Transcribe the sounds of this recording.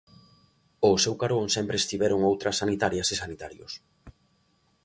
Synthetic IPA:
ʊsewkaɾoŋsɛmpɾeːst̪iβɛɾʊŋowt̪ɾɐsːanit̪aɾjɐsesanit̪aɾjo̰s

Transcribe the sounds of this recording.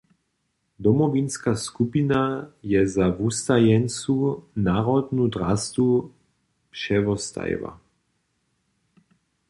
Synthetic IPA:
d̪ɔmɔvinskaskupinajɛzavust̪ajɛnt͡sunaːʁɔd̪nud̪ɾast̪u | pʃɛʋɔst̪a̰jva̰

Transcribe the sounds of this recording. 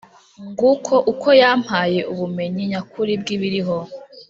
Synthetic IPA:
ŋɡukʰo̞ʔukʰo̞jaːm̥haːje̞uβume̞ɲiɲakuɾib̚ɡiβiɾiɦo̞

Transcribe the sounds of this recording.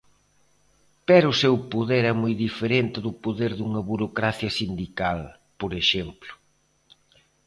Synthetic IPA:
pɛɾʊsewpoðeɾɛmojðifeɾent̪ɪðʊpoðeɾðuŋɐβuɾokɾaθjɐsind̪ikal | poɾeʃemplʊ̥

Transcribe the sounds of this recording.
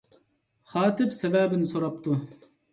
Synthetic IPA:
χɑːt̪ɪpsevæːbɪnsoɾɑp̚t̪u

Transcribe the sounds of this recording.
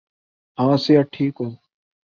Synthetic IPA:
ãːseːaʈʰiːkɦoː

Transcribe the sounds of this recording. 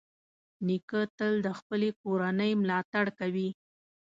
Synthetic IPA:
nikət̪əld̪əxpəlekoɾanəjmlɑt̪aɽkawi

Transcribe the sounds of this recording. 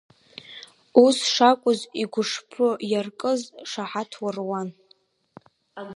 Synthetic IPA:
usʂakʷʼʊziɡʷʊʂpʰʊjarkʼɨzʂaħatʰwarwan

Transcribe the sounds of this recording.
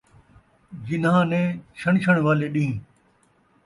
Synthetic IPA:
d͡ʒɪnãːnɛ̃ːt͡ʃʰəɳ̃t͡ʃʰəɽ̃ʋaːleːɗĩː

